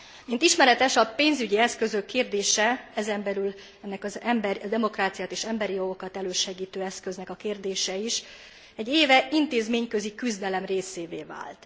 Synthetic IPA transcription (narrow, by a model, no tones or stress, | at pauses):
mint̪iʃmɛɾɛt̪ɛʃɒpeːnzyɟiɛskø̞zø̞kːeːrd̪eːʃɛɛzɛmbɛlyl | ɛnːɛkɒzɛmbɾd̪ɛmo̞kraːt̪sijaːt̪eːʃɛmbɛɾijo̞ɡo̞kɒt̪ɛløːʃɛɡiːt̪øːɛskøznɛkɒkeːrd̪eːʃɛiʃ | ɛɟːeːvɛʔint̪eːzmeːɲkø̞zikyzd̪ɛlɛmreːseːveːva̰ːlt̪